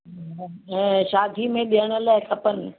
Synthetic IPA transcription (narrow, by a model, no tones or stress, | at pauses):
ɛ̃ːʃaːd̪ʱimẽɗiəɽ̃ə̆laːɪkʰɐpənɪ̆